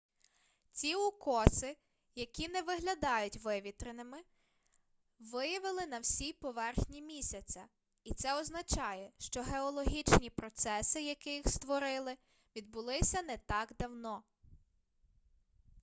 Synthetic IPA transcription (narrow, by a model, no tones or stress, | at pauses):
t͡sʲiʊkɔsɪ | jɐkʲinɛʋɪɦlʲɐd̪ɑjʊtʲʋɪʋʲit̪ɾenɪmɪ | ʋɪjɐʋɪlˠɪnɐwsʲipɔʋɛrxnʲimʲisʲɐt͡sʲɐ | it̪sɛɔznɐt͡ʃɑjɛʃt͡ʃɔɦeɔlˠɔɦʲit͡ʃnʲipɾɔt̪sɛsɪjɐkɪjixst̪ʋɔɾɪlˠɪ | ʋʲid̪̚bʊlˠɪsʲɐnɛt̪ɑɡd̪ɐwnɔ